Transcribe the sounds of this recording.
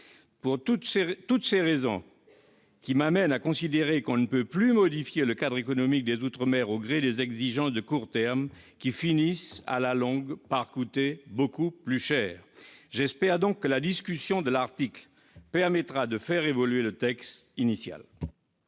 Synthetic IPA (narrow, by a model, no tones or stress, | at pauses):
puʁt̪utst̪ut̪seʁezɔ̰̃ | kʲimamɛnakɔ̃sid̪eʁekɔ̃nəpøplymɔd̪ifjeləkad̪ʁekɔnɔmik̚d̪ezut̪χəmɛʁoɡʁed̪ezɛɡziʒɑ̃sd̪əkuʁt̪ɛʁm | kʲifinisa̰lalɔ̃ɡpaʁkut̪ebokuplyʃɛːʁʒɛspɛʁd̪ɔ̃kːəlad̪iskʲysjɔ̃d̪əlaʁt̪ikl | pɛʁmɛt̪χad̪əfɛʁevɔlɥelət̪ɛkst̪inisja̰l